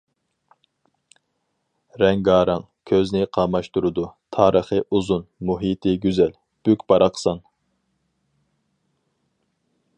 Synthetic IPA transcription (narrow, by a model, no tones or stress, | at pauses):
ɾɛŋɡɑːɾɑŋ | kʲʰøznɪqʰɑmɑʃt̪uɾɨd̪ut̪ʰɑːɾəχɨʔuzunmuɦit̪ʰɪɡʲyzɛl | b̥ykʲb̥ɑɾɑqʰə̥sɑn